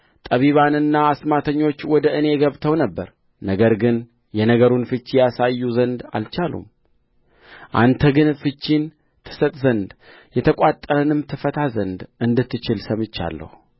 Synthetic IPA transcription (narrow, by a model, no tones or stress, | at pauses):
t̪ʼəβiβanɨnːaːsmat̪ʰəɲːo̞t͡ʃːwɔd̪əʔɨne̞ɡəβt̪ʰəwnəbːəɾ | nəɡəɾɡɨn | jɛnəɡəɾunfɨt͡ʃːjasajːuzənd̪a̰lt͡ʃalṵm | ʔa̰nt̪ʰəɡɨnfɨt͡ʃːin | t̪ʰɨ̥sət̪ʼzənd̪ | jɛt̪ʰəkʷʼat̪ʼːəɾənɨmt̪ʰɨfət̪ʰazənd̪ʔɨnd̪ɨt̪ːɨt͡ʃɪlsəmɨt͡ʃːa̰lːə̰h